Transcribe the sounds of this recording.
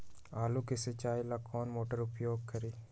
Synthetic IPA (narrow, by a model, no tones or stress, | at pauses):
aːluːkeset͡ʃaːilaːkɔːnmoːʈəɾʊpjoːɡ̚kʰəɾiː